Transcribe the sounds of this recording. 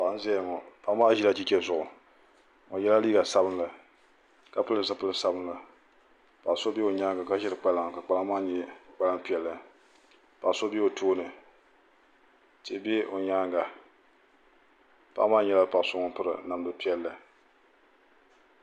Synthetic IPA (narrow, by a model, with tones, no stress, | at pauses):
pa˨ʔzɛ˦˨ŋɔ˨pa˦ʔmaː˦ʒi˦la˦t͡ʃi˦t͡ʃɛ˦zʊ˨ʔʊ˨ | ŋɔ˨jɛ˦la˦liː˦ɡa˨sa˦bɨ˦nlɨ˨ | ka˨pɨ˦lɨ˦za˦pɨ˦lɨ˦sa˦bɨ˦nlɨ˨ | pa˨ʔso˦be˦o˨ɲaː˦ŋɡa˨ka˦ʒɪ˦ɾɨ˨k͡pa˦la˦ŋ˨ka˨k͡pa˦la˦maː˦ɲɛ˦k͡pa˦la˦ŋpi˦ɛ˨lːɨ˨ | pa˨ʔso˦be˦o˨tʰoː˦nɨ˨ | te˨˦bɛ˦o˨ɲaː˦ŋɡa˨ | pa̰˦ʔmaː˦ɲɛ˦la˦pa˨so˦ŋɔ˦pɨ˦ɾɨ˨na˨m˦dɨ˦pi˦ɛ˦lːɨ˨